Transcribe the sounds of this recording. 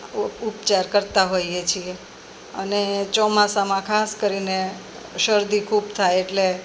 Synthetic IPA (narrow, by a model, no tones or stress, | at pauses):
upt͡ʃaɾkəɾt̪aɦojet͡ʃʰie | ənet͡ʃɔmasamãkʰaskəɾine | ʃəɾd̪ikʰubt̪ʰajeʈle